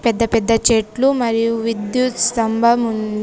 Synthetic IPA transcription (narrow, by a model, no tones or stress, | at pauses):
pɛd̪ːɐpɛd̪ːɐt͡ʃeːʈlumɐɾijuʋid̪jut̪st̪ɐmbʱɐmun